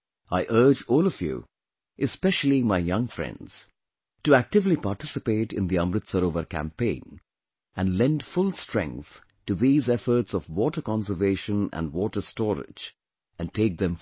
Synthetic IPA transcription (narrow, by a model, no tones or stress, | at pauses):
aɪʔɜ˞d͡ʒɔːlˠɔvjṵ | ʔɨspɛʃl̩ˠimaɪjʌ̃ŋfɹɛ̰̃ndz̥ | tɨæk̚tɨvlipaɾtɪsɨpeɪʈɪ̰̃nd̪iʌ̃mɾɨt̪səɾovəɾkʰæ̰̃mpẽɪ̃n | æ̃nlɛ̃ndfʊlˠstɹ̥ɛ̰̃ŋk̚θ | tɨðizɛfə˞tsɔvwɔtə˞kɑ̃ns̬ə˞veɪʃə̃næ̰̃nwɔːtə˞stɔɾɪ̰d͡ʒ | ɨ̃nteɪk̚ðɨ̃m